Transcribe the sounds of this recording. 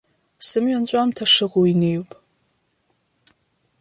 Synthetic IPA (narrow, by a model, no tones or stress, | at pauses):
sɨmɥant͡ɕʷʼamtʰɐʂɨʁowinejupʼ